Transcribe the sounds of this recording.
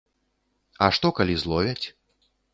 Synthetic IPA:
ɐʂt̪ɔkalʲizlˠɔvʲɛt͡sʲ

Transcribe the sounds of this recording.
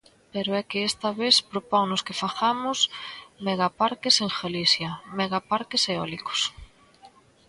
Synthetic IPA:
peɾʊɛkɪest̪ɐβespɾopɔŋnʊskɪfaθamʊsmeɣapaɾkɪseŋxelisjɐmeɣapaɾkɪseɔlikʊ̥s

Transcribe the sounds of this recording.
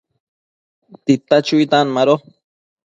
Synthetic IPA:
t̪it̪ːat͡ʃujt̪anmaɾo

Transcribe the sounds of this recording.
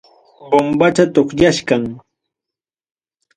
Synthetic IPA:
bombat͡ʃat̪oχʎaʃkaŋ

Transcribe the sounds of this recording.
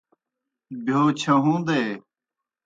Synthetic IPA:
bʱjoːt͡ɕʰɐɦũːd̪eː

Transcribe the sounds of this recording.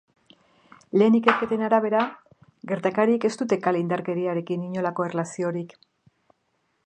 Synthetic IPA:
le̞ːnike̞ɾke̞t̪e̞naɾaβ̞e̞ɾa | ɡe̞ɾt̪akaɾieke̞st̪ut̪e̞kalind̪aɾke̞ɾiaɾe̞kiniɲo̞lako̞erelasio̞ɾik

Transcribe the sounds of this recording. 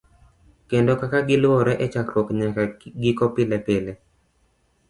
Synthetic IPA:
kendokakaɡɪlwɔɾɛʔɛt͡ʃakɾwɔkɲakaɡɪkɔpɪlɛpɪlɛ

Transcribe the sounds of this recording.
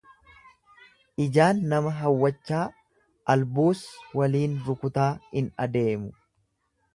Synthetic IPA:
ʔɪd͡ʒaːnːɐmɐɦɐwːɐt͡ʃːaː | ʔɐlbuːswɐliːnɾʊkʊt̪aːhɪnɐd̪e̞ːmʊ

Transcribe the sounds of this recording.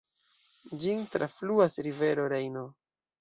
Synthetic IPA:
d͡ʒintɾa̰fluasɾive̞ɾo̞ɾejno

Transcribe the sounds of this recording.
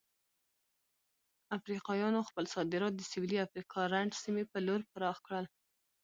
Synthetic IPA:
afɾiqɑjɑnoxpəlsɑd̪ɪɾɑt̪̚d̪əsɪwiliafɾiqʰɑɾaɳɖsimepəloɾpəɾɑxkɽəl

